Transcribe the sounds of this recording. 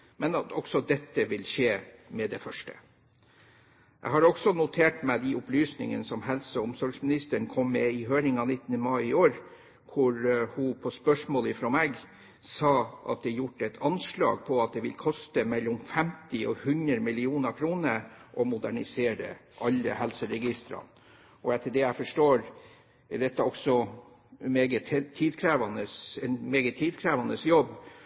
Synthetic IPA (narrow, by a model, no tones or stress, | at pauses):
mɛnɑt̪ʰɔksɔd̪ɛt̪ːəʋɪlʃeːmɛd̪ɛfœʂʈə̰ | ʔɛ̰ɪɦɑɾɔɡsɔnʊt̪ʰeːʈmɛɪd̪ɪʔʊplyːsnɪ̰ŋə̰nəsɔmɦɛlsəɔʊmsɔɾɡsmɪnɪst̪əɳkʰɔmːɛɪɦøːɾɪŋɑʋnɪt̪ːənəmɑɪɪoːɾ | kʰʊɾhʊpʰɔspœʂmoːlɪfɾɔːmæɡ | sɑːʔɑ̰t̪̚d̪ɛjʊʈːəɛt̪ʰɑnʂlɑ̰ːɡ̚pʰɔɑt̪̚d̪ɛʋɪ̰lkʰɔst̪əmɛlːɔmfɛmt̪ɪɔ̰hʉnɾəmɪlɪuːnəɾkʰɾuːnəɾʔɔmʊd̪æɳɪseːɾə̰ | ʔɑlːə̰hɛlsəɾɛɡɪst̪ɾɑ̰n | ɔɛt̪ʰːəd̪ɛæfɔʂʈoːɾ | ɛd̪ɛt̪ːəɔksɔ | meːɡət̪t̪ʰːiːd̪kʰɾæːʋɑnəsɛnmeːɡət̪ʰːiːd̪kʰɾæːʋɑnəsjɔbː